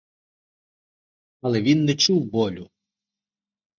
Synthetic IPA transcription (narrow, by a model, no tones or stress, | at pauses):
ɐlˠɛʋʲinːɛt͡ʃuwbɔlʲʊ